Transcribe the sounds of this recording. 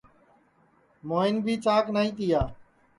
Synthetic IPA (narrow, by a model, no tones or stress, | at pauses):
moːɪnbʱiːt͡ʃaːknaːĩːt̪ɪjaː